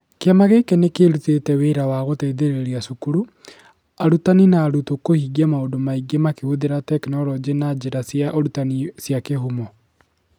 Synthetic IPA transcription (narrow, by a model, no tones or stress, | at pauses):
keamaɣekɛnekeɾutetɛweɾawaɣoteðeɾeɾiasukuɾu | aɾutaninaːɾutokohiɡamaondomaiɡemakehoðeɾatɛknɔɾɔd͡ʒenad͡ʒeɾasjaɔɾutanisjakeɦumɔ